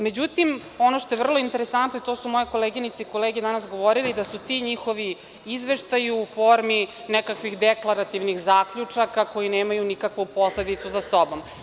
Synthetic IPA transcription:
med͡ʑut̪imo̞noʃt̪oeʋr̩loint̪e̞ɾesant̪noit̪o̞sumo̞jeko̞leːɡinit̪seiko̞leːɡed̪anasɡo̞ʋo̞ɾilid̪asut̪iɲixo̞ʋi | izʋeʃt̪ajuufo̞ɾmi | nɛkakʋixd̪eklˠaɾat̪iʋnixzaːkʎut͡ʂakako̞jineːmajunikakʋupo̞sled̪it̪suzasobo̞m

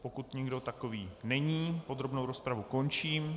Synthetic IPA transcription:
pokut̪ɲɪɡdo̞t̪akoviːnɛɲiːpo̞d̪ɾo̞bnowɾospɾavuko̞nt͡ʃiːm

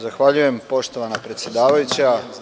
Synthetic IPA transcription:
zaxʋaʎuje̞mpo̞ʃt̪oʋanapɾet̪sʲjed̪aːʋajut͡ɕa

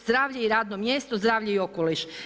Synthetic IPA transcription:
zd̪ɾaːʋʎeiɾaːd̪nomjest̪ozd̪ɾaːʋʎeio̞koliʃ

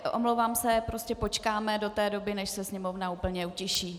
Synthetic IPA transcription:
ʔo̰mlowvaːmsɛpɾo̞scɛpo̞t͡ʃkaːmɛdo̞t̪ɛːdo̞bɪnɛʃsɛsɲɛmo̞vnauːpl̩ɲɛucɪʃiː

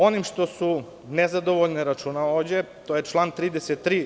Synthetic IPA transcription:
o̞nimʃt̪o̞su | nezad̪o̞ʋoʎneɾat͡ʃuːnaoːʋd͡ʑet̪ojet͡ʃlˠaːnt̪ɾiːd̪eset̪ːɾiː

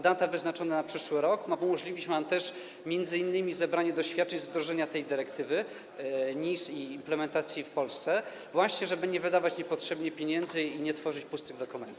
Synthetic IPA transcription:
d̪at̪avɘznat͡ʂɔnɛnapʂɘʂwɘɾɔkmaumɔʐlʲivʲit͡ɕmvamt̪ɛʂ | mʲjɛnd̪zɘinːɘmʲizɛbɾaɲɛd̪ɔɕfʲjat̪̚t͡ʂɛɲzd̪ɾɔʐɛɲat̪ɛjd̪ɘɾɛkt̪ɘvɘ | ɲisiːmplɛmɛnt̪at̪sʲjifpɔlst̪sɛ | vwaɕɲɛʐɛbɘɲɛvɘd̪avat͡ɕɲɛpɔtʂɛbɲɛpʲjeɲɛnd̪zɘiɲɛt̪fɔʐɘt͡ɕpust̪ɘɡd̪ɔkumɛnt̪u

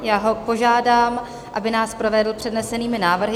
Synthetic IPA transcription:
jaːɦo̞po̞ʒaːdaːm | ʔa̰bɪnaːspɾo̞vɛdl̩pr̝̥ɛdnɛsɛniːmɪnaːvr̩ɦɪ

